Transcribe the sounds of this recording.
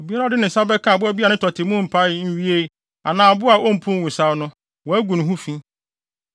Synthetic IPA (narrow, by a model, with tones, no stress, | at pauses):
o˨bi˦a˦ɾa˦dɪ˦nɪ̃˨sa˦bɛ˦kʰã˦˨bʊ˦æ˦bi˦a˨nɪ̃˦tʰɔ˨tʰɪ˨˦mʊ̃˦m̩˨pʰa˦˨˦n̩˦ɥi˦e˦ | a̰˨nãː˨bʊ˦a˨ʔo˦m̩˦˨pʰʊ̃˦wũ˨sa˦wnʊ̃˦ | wɔ˨æ˦ɡũ˨ñ˨ɦũ˦fĩ˦